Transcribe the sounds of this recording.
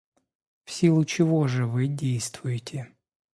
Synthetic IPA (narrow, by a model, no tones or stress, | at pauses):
fsʲilˠʊt͡ɕɪvoʐɨvɨdʲejst̪vʊjɪtʲɪ